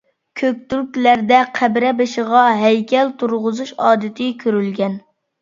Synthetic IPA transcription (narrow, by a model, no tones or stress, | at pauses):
kʲʰøk̚ʲt̪ylkʲlæɾd̪ɛqʰæbɾɛbɨʃəʁɑɦɛjkʲʰɛlt̪ʰuɾʁʊzuʃɑːd̪ɨt̪ʰɪkʲʰøɾylɡʲɛn